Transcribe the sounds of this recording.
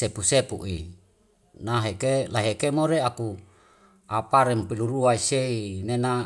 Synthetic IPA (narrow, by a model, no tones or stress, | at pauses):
epusepṵʔi | naɦekelaɦekemoɾeaku | apaɾempiluɾuaiseinena